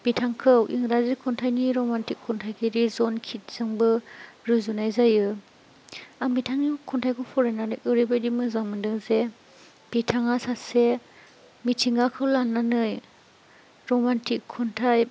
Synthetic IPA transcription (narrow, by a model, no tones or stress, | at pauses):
b̥itʰaŋkʰɯwʔiŋɾazikʰɔntʰajniɾɔmantikʰːɔntʰajkʰiɾizɔnkʰit̚z̥ɯŋbɯɾuzunajzajɯ | aŋmbitʰaŋnikʰɔntʰajkʰɯwpʰɔɾajnanɯjʔɯɾibadimɯzaŋmɯndɯŋze | b̥itʰaŋasase | mitʰiŋɡakʰɯwlanːanɯj | ɾɔmantʰikʰːɔntʰaj